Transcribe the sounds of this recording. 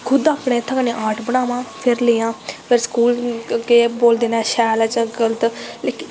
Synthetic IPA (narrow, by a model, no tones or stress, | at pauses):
kʰʊd̪aːpɳeːt̪ʰːaːkəneːʔaːɾʈʰbəɽ̃aːʋãːpʰɪɾleːjãːpʰɪɾskuːlkeːboːld̪eːnɛːʃɛːlaːt͡ʃə̃ɡələt̪lek